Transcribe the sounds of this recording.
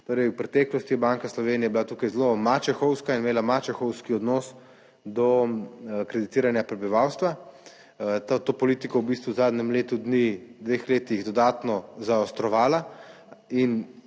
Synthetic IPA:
t̪oːɾɛjwpɾɛt̪ɛːklɔst̪ijɛbaŋkaslɔʋeːnijɛjbilat̪uːkajzlomat͡ʃɛxɔwskainmeːlamat͡ʃɛxɔwskiɔd̪nɔːs | d̪ɔ | kɾɛd̪it̪iːɾanjapɾɛbiʋaːwst̪ʋa | t̪at̪oːpɔliːt̪ikɔwbiːst̪ʋuzaːd̪nɛmleːt̪ud̪nid̪ʋeːxleːt̪iɣd̪ɔd̪aːt̪nɔzaɔst̪ɾɔʋaːla | in

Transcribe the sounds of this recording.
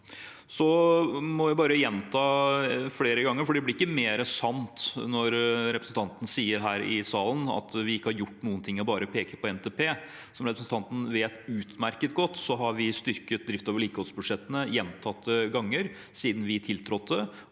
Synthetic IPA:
sɔmɔʋɪbɑːɾəjɛnt̪ʰɑːfleːɾəɡɑŋːəɾfɔɖiːd̪ɛlɪɾɪkːəmeːɾəsɑnt̪nɔɾɾɛpɾəsn̩t̪ʰɑnt̪ən̩siːəɾɦæːɾɪsɑːlənɑ̰t̪ʋɪɪkːəhɑɾjʊʈːnuːənt̪ʰɪŋːɔbɑːɾəpʰeːkəpʰɔɛnt̪ʰeːpʰeː | sɔmɾɛpɾəsn̩t̪ʰɑnt̪n̩ʋeːt̪ʉːt̪mæɾkət̪̚ɡɔt̪ːsɔɦɑɾʋɪst̪ʏɾkət̪̚d̪ɾɪft̪oːʋəɭiːkəhɔlsbʉd̪ʂɛt̪ːənəjɛnt̪ʰɑt̪ːəɡɑŋːəɾ | siːd̪nʋɪt̪ʰɪlt̪ʰɾɔt̪ːə

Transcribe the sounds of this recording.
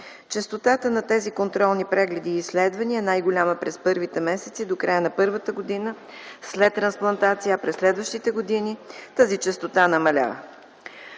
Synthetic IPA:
t͡ʃɛst̪ot̪at̪ənɐt̪ɛzikont̪ɾɔlˠnipɾɛɡlɛd̪iːslɛd̪vɐniɛnajɡolʲaməpɾɛspɤɾvit̪ɛmɛsɛ̥t̪sid̪okɾajənɐpɤɾvət̪əɡod̪inə | slɛt̪ːɾɐnsplˠɐnt̪at̪sijəpɾɛslɛd̪vəʃt̪it̪ɛɡod̪init̪azit͡ʃɛst̪ot̪anɐmɐlʲa̰və̰

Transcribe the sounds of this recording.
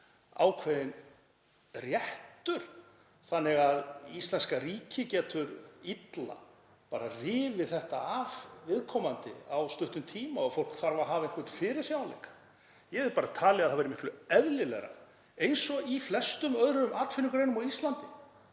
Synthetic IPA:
a̰ːwkʰvɛðɪn | rjɛht̪ʏɾ̥ | θanːɪɣaðist̪lɛnskariːcʰɪcɛːt̪ʏɾit̪la̰ | paːɾarɪːvɪ̥θɛht̪aavvɪðkʰɔmant̪ɪ̰awst̪ʏht̪ʏmt̪ʰiːmaɔfowl̥kθaɾvaɦaːvɪnkʰvɛt̪fɪːɾɪɾ̥sjawalḛjkḁ | jɛɛvðɪpaːɾat̪ʰaːlɪaðθavɛjɾɪmɪhklʏɛðlɪlɛ̰ɣɾa̰ | ejnsɔiflɛst̪ʏmœðɾʏmʔaːt̪fɪniŋkɾeːjnʏmawist̪lant̪ɪ

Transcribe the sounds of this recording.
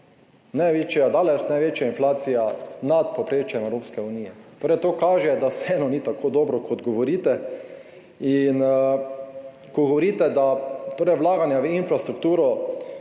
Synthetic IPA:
najʋeːt͡ʃijad̪aːlɛt͡ʃnajʋeːt͡ʃjainflaːt̪sijanat̪̚popɾeːt͡ʃjɛmɛwɾoːpskɛuniːjɛt̪oːɾɛɪt̪okaːʒɛd̪asɛːnɔniːt̪akʰoːd̪oːbɾɔkʰɔd̪ɡɔʋɔɾiːt̪ɛ | in | kɔɡɔʋoɾiːt̪ɛd̪at̪oːɾɛɪjwlaːɡanjaʋəinfɾast̪ɾukt̪uːɾɔ

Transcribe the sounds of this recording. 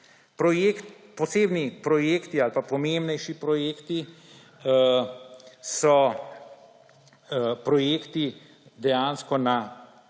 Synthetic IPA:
pɾɔjekt̪pɔseːbnipɾɔjeːkt̪ialpapɔmeːmbnɛjʃipɾɔjeːkt̪i | sɔ | pɾɔjeːkt̪i | d̪ɛjaːnskɔna

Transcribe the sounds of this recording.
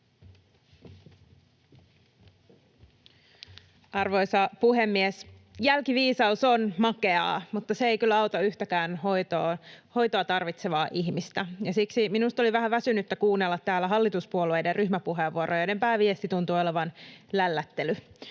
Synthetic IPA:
ɑrʋo̞jsɑpuɦe̞mːies | jælkiʋiːsɑusonmɑkeɑ̰ːmut̪ːɑseejkylːæɑwt̪ɑyçt̪ækæːnhojt̪oːho̞jt̪oɑt̪ɑrʋit̪seʋɑːʔiçmist̪æjɑsiksiminust̪o̞liʋæɦæʋæsynyt̪ːækuːnːelːɑt̪ːæːlːæɦɑlːit̪uspuolue̞jderryhmæpuɦeʋːuoɾʔojnempæːʋiest̪it̪unt̪uːo̞leʋɑnlælːæt̪ːely

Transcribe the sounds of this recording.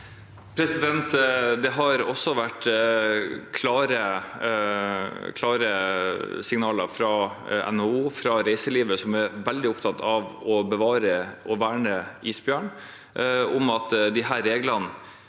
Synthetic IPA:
pʰɾɛsɪd̪ɛnt̪d̪ɛɦɑɾɔsːɔʋæʈː | kʰlɑːɾə | kʰlɑːɾə | sɪŋnɑːləfɾɑ | ɛ̰nouːfɾɑɾæɪsəɭiːʋəsɔmæɾʋɛld̪ɪʊpt̪ʰɑt̪ʰɑʋɔbəʋɑːɾəɔʋæːɳəiːsbjøːɳ | ʊmɑt̪d̪ɪɦæːɾeːɡlɑn

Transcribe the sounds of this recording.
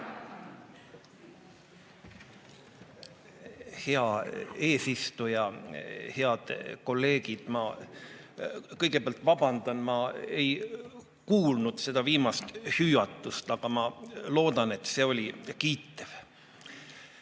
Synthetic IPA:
heɑeːsist̪ujɑheɑd̪̥ko̞lːe̞ːɡ̥id̪̥mɑ | kɤjɡ̥epɑlt̪ːˑvɑb̥ɑnd̪̥ɑnmɑe̞j | kuːlnud̪̥se̞d̪̥ɑviːmɑst̪hyjɑt̪ːˑust̪ɑɡ̥ɑmɑlo̞ːd̪̥ɑne̞t̪ːse̞o̞lʲikiːt̪ːev̥

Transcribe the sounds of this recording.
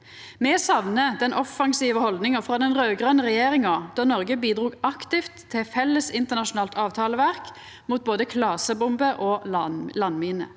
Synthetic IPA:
mɛsɑʋnəd̪ɛnʔɔfɑŋsiːʋəhɔld̪nɪŋəfʁɑd̪ɛnʁøːɡʁœnəʁɛjeːʁɪŋɑd̪̥ɑnɔʁɡəbiːd̪ʁuːɡɑkt̪ɪft̪ʰːɪfɛlːəsɪnt̪əʁnɑʃʊnɑːlt̪ʰɑːʋt̪ʰɑːləʋæʁk | muːt̪̚boːd̪əkʰlɑːsəbʊmbəʔɔlɑnːmiːnə̰

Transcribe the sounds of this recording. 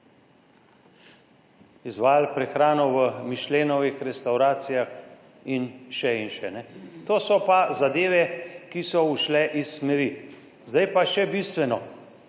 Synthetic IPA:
izʋaːlpɾɛxɾaːnɔʋəmiʃleːnɔʋixɾɛst̪awɾaːt̪sijax | inʃɛinʃɛnɛt̪oːsɔpazad̪eːʋɛkisɔuʃlɛʔisːmɛɾi | zd̪ajpaʃɛbist̪ʋɛnɔ

